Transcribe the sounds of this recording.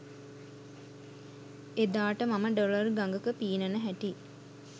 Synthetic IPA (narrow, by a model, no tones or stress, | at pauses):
ed̪aːʈəmaməɖolərɡaŋɡəkəpiːnənəɦæʈi